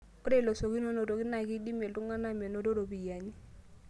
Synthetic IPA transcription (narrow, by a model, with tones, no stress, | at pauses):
kɔ˦de˦˨lo˨so˨ki˦no˦no˨to˨kɪ˦na˨ki˦di˦me˨ltu˦ŋa˦na˦me˨no˦to˦ɾo˨bi˨ja˨ɲi˦